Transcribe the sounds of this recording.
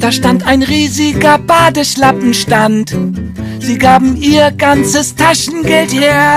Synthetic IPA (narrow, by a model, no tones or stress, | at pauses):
d̥aːʃtantaɪnʁiːzɪɡɐbaːdəʃlapm̩ʃtant | z̥iːɡaːbm̩ʔiːɐɡant͡səstʰaʃn̩ɡɛltheːɐ